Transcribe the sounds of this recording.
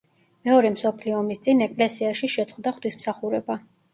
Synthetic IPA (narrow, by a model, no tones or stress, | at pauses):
mɛɔɾɛmsɔpʰliɔːmist̪sʼinɛkʼlɛsiaʃiʃɛt̪sʼqʼd̪aχt̪ʰwismsaχuɾɛba